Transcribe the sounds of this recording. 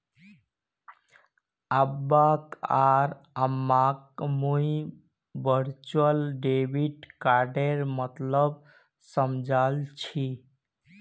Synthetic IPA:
abːakaɾ | əmːakmui | bəɾt͡ʃuəlɖebiʈkaɾɖeɾmət̪ləb | səmd͡ʒʱalt͡ʃʰi

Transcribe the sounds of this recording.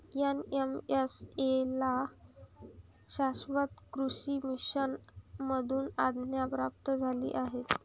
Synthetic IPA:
jenemesela | ɕasʋat̪kɾuɕiːmiɕənməd̪ʱuːnad̪ʱnjapɾap̚t̪əd͡zʱalḭːʔaɦet̪

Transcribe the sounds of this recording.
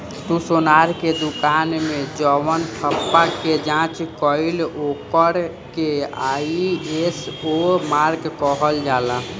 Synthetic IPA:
t̪usonaɾked̪ukanmed͡ʒɔʋəntʰəpːaked͡ʒãt͡ʃkəilokəɾ | keaiesomaɾɡkɔɦəld͡ʒala

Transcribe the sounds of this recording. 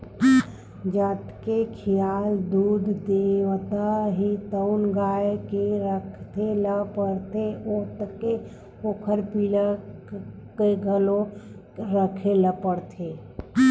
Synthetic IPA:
d͡ʒaːt̪kekʰijaːld̪uːd̪ʱd̪ewt̪aɦit̪əʊnɡaːjkeɾəkʰt̪ʰeləpəɽt̪eʔot̪əke | oːkʰəɾpila | keɡʱəlo | ɾəkʰeləpəɽt̪ʰe

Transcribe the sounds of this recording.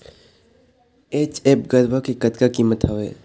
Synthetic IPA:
eːt͡ʃeːpɡəɾbakekɐt̪kakiːmət̪ɦaʋḛː

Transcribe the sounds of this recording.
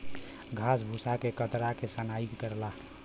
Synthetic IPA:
ɡʱas̬bʱusakekət̪ɾakesanaikkəɾla

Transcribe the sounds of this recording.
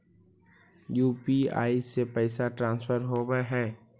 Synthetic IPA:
juːpia̰ːisːepɛɪsaʈɾãːnspʰəɾɦoːbeɦɛ̃ː

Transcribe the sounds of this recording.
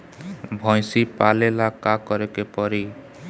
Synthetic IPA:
bʱɔj̃sipalelakakɔɾekepɔɾi

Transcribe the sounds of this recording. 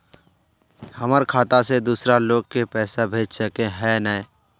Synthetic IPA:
həməɾkʰaːt̪ased̪uːsɾaloːɡ̚kepɛːsabʱeːd͡ʒsəkẽɦɛːnə

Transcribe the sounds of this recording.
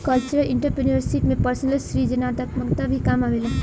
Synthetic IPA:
kɐlt͡ʃəɾəlɪɳʈəɾpɾənəɾsiʈmẽpəɾsənəlsɾid͡ʒənat̪ɐkmɐɡt̪abʱikaːmamilã

